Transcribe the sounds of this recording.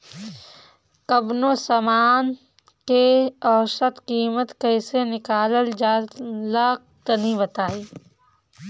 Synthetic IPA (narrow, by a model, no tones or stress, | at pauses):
kɐbnosɐmaːn | keɔːʃət̪qiːmət̪kəːɪsenɪkaːləld͡ʒaːlaːk̚t̪ənibət̪aːiː